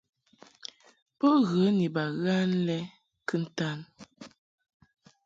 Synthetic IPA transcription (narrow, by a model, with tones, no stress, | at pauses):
pɔ˦ɣə˨˦ni˨ba˨ɣa˦n˦lɛ˦ | kɨ˦n̩˨ta˦˨n